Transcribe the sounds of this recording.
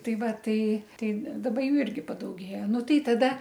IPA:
ˈtɐɪ ˈʋɐ ˈtɐɪ ˈtɐɪ dɐˈbɐ ˈjuː ˈɪrʲɡʲɪ pɐdɐʊˈɡʲeːjɛ ˈnʊ ˈtɐɪ tɐˈdɐ

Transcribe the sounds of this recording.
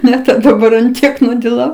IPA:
ˈnʲɛ dɐˈbɐr ɐn ˈtʲiɛk nʊdʲɪˈlˠɐʊ

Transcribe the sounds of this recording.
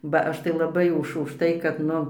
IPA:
bɐ ˈɐʃ tɐɪ lˠɐˈbɐɪ ʊʃ ʊʃˈtɐɪ kɐt ˈnʊ

